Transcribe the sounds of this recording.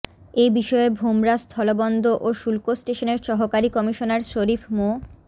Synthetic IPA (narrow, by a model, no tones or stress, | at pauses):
ejbiʃɔebʱomɾast̪ʰɔlobɔnd̪oʔoʃulkosʈeʃoneɾʃɔɦokaɾikɔmiʃonaɾʃoɾifʰmo